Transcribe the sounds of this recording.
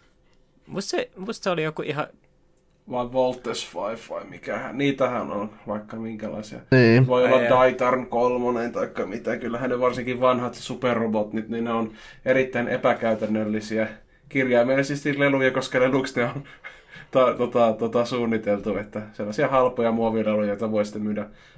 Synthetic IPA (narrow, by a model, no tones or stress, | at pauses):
mussemust̪seolijokuʔihɑ̰ | ʋɑiʋʋolt̪ːesʋɑifʋɑ̰imḭkæhæ̰nniːt̪æhæ̰no̰nʋɑikːɑmiŋkælɑ̰isiɑ̰niːʋoiolːɑdɑit̪ɑrnkolmonent̪ɑikːɑmit̪ækylːæhænneʋɑrsiŋkiʋʋɑnhɑt̪superrobot̪nit̪ninneon | eɾit̪ːæinʔḛpækæyt̪ænːølːisiæ | kirjɑimelisist̪ilelujɑkoskɑleluksneon | t̪ɑt̪ot̪ɑt̪ot̪ɑsuːnːit̪elt̪uet̪ːæselːɑsiɑhɑlpojɑmuoʋilelujɑjot̪ɑʋoisi̥t̪ːemyːdæ